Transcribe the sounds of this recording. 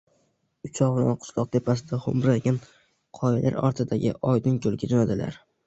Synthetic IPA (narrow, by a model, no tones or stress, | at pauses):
ʊt͡ʃʰɒʁna̰nqʰʊ̥slˠɒq̚t̪ʰe̞pas̬ɪd̪aχʊ̰mɾaɡʲan | qʰɒjɪlʔa̰ɾɒ̰ɾt̪ʰɪd̪aɡʲɪ̰ʔɒjd̪ɪŋkʰolˠɡʲad͡ʒonad̪ɪla̰ɾ